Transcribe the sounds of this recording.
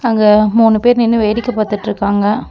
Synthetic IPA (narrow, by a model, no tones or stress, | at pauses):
ɐŋɡɐmuːnɯpeːɾnɪnːɯʋeːɽɪkːɐpaːt̪ɯʈːɾɯkːaːŋɡɐ